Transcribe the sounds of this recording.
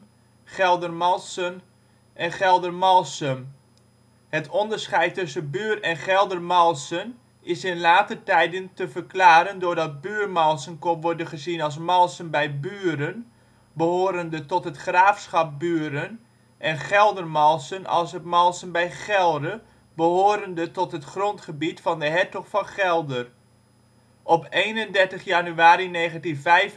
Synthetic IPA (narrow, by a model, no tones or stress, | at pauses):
χɛlˠdərmɔlˠsən | ʔɛnχɛlˠdərmɔlˠsəm | hətʰɔndərsχɛjtːɵsənbyːrɛnχɛlˠdərmɔlˠsən | ɪsɪnlaːtətɛjdəntəvərklaːɾəndʊdɑt̚byərmɔlˠsənkonʋɔrdəχəzinɑlˠs̬mɔlˠsənbɛjbyəɾən | bəɦoːɾəndətɔtɦətχraːfsχɑp̚byəɾən | ʔɛnχɛlˠdərmɔlˠsənɑ̰lˠsətmɑlˠsənbɛjχɛlˠdə | bəɦoːɾəndətɔtɦətχrontχəbitfɑndəɦɛtɔχfɑnχɛlˠdər | ʔɔpeːnəndɛɹtəχjanyaːɾineːɣəntinvɛjf